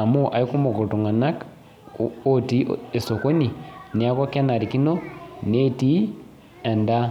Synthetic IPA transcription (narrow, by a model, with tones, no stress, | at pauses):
a˨mo˦ʔa˨i˦ku˦mo˨ko˨tu˨ŋa˨na˦k | o˦ti˦e˨so˨ko˦ni˨ne˨a˦kwa˦ka˦na˨ɾi˨ki˦no˦ne˦ti˦ | ɛ˨nda˦